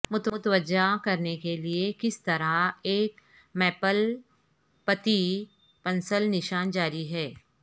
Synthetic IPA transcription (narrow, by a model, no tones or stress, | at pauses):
mʊt̪t̪ʋəd͡ʒakɐɾnekeliekɪst̪ɐɾaeːk | mɛːpəl | pɐt̪i | pɐnsəlnɪʃaːnd͡ʒaːɾiɦɛː